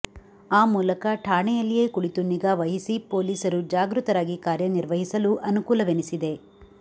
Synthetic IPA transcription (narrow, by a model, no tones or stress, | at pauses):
aːmuːlɐkɐʈʰaːɳɛjɐlːije̞ːkuɽit̪uniɡaːʋɐɦisipo̞ːliːsɐɾud͡ʒaːɡɾut̪ɐɾaːɡikaːɾjɐniɾʋɐɦisɐluʔɐnukuːlɐʋenisid̪e̞